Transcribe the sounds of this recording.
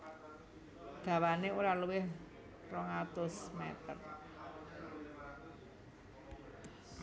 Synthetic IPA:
d̪̥a̤waneuɾaluwɪh | rɔŋat̪ʊsmɛt̪ə̰r

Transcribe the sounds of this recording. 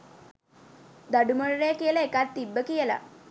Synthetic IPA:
d̪əɖuməɭɾekelekat̪t̪ːibːəkijɛla̰

